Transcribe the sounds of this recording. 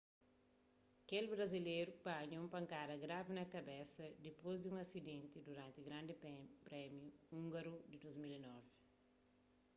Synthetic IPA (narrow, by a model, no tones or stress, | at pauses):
kelbɾɐzilejɾupãɲũmpɐŋkaɾɐɡɾavinɐkɐbesɐd̪ipozd̪ũŋɐsid̪ẽnt̪ɪd̪uɾãnt̪iɡɾãnd̪ipɾɛmjuũŋɡɐɾud̪id̪ozmilinɔvɪ